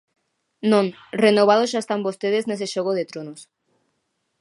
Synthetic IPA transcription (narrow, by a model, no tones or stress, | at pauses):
nõŋ | renoβ̞að̞osʃaest̪ambost̪eðeznes̬eʃoɣoðet̪ɾonos